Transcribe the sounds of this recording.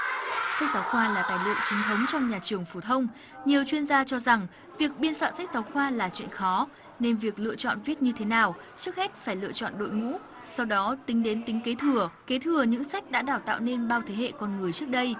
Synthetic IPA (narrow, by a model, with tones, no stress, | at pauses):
sa˦˥k̚zaː˨˦wxwaː˧laː˨˩t̪aː˧˩jlɨ̰˧˨əŋt͡ɕi˨˦ŋt̪ʰə˨˦wŋ͡mt͡ɕɔ˧wŋ͡mɲaː˨˩t͡ɕɨ˨˩əŋfu˧˩t̪ʰə˧wŋ͡m | ɲi˨˩əwt͡ɕwi˧ənzaː˧t͡ɕɔ˧za˨˩ŋ | vi˨˩ək̚ɓi˧ənswa̰ː˧˨nsa˦˥k̟̚zaː˨˦wxwaː˧laː˨˩t͡ɕwḭ˧˨nxɔ˨˦ | ne˧nvi˨˩ək̚lɨ̰˧˨ət͡ɕɔ̰˧˨nvi˦˥t̚ɲɨ˧t̪ʰe˨˦naː˨˩w | t͡ɕɨ˦˥ək̚hɛ˦˥t̚faː˧˩jlɨ̰˧ət͡ɕɔ̰˧˨nɗo̰˧˨jŋṵ˧˥ | sa˧wɗɔ˨˦t̪ï˨˦ŋ̟ɗe˨˦nt̪ï˨˦ŋ̟ke˨˦t̪ʰɨ˧˩əke˨˦t̪ʰɨ˧˩əɲɨ̰˧˥ŋsa˦˥jk̟̚ɗa̰ː˧˥ɗaː˧˩wt̪a̰ː˧˨wne˧nɓaː˧wt̪ʰe˨˦ɦḛ˧˨kɔ˧nŋɨ˨˩əjt͡ɕɨ˦˥ək̚ɗə˧j